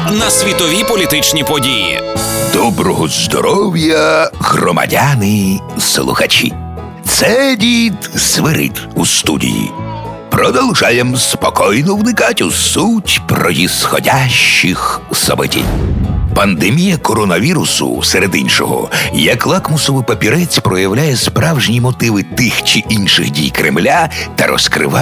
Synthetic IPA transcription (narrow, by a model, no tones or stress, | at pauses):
nɐsʲʋʲit̪ɔʋʲipɔlʲit̪ɪt͡ʃnʲipɔdʲijḭd̪ɔbɾɔɦɔzd̪ɔ̰ɾɔwjɐɣrɔmɐ̰dʲanɪslˠʊ̰xɐt͡ʃḭ | t̪sɛdʲid̪sʋɪɾɪ̰tʲust̪ṵdʲḭjḭ | pɾɔd̪ɔlˠʒɑjemspɔkɔjnɔwnɪkatʲusutʲpɾrɔjʲisxɔ̰dʲaʃt͡ʃixsɔ̰bɔtʲḭnʲpɐnd̪emʲijɐkɔɾɔnɐʋʲiɾʊsʊ̰sɛɾed̪ḭnʃɔ̰ɦɔ̰jɐklˠakmʊsɔʋʊpɐpʲiɾɛt͡sʲpɾɔjɐwlʲajɛspɾɑwʒnʲimɔt̪ɪʋɪt̪ɪxt͡ʃiʔinʃɪxdʲijkɾʔḛmlʲat̪ɐɾɔ̰skɾɪ̰ʋa